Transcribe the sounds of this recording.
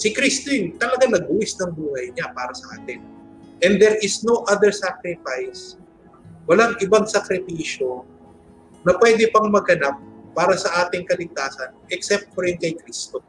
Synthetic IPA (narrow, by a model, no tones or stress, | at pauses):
sɪkɾist̪ɪnt̪ɐlɐɡaŋnɐɡ̚ʊwɪsnɐŋbuːhɐjɲapaːɾɐsɐʔaːt̪ɪn | ʔɛnd̪ɛɹʔɪsnoʔad̪ɛɹsakɾɪfajs | wɐlaŋʔɪbaŋsɐkɾɪfiːʃo̞ | nɐpwɛːd̪ɪpɐŋmɐɡɐnap̚ːaːɾɐsɐʔaːt̪ɪŋkɐlɪɡ̚t̪aːsɐnʔɛksɛp̚t̪̚foɾɪnkɐjkɾist̪o